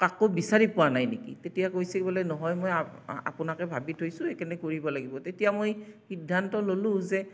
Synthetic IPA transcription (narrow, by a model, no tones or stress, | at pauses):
kakobisaɹipʊwanajnekḭtetijakojsekbɔlɛnɔɦɔjmojaa̰pʊnakɛbʱabitʰojsʊ̃ekɛnɛkoɹibɔlaɡibɔtetijamojxidʱːantɔlolʊ̃zɛ